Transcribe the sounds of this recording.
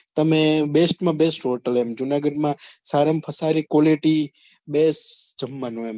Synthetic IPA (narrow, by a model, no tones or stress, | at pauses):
t̪əmẽbesʈmãbesʈɦoʈəlemd͡ʒunaɡəɖmãsaɾəmpʰəsaɾikoleʈi | besd͡ʒəmːanũem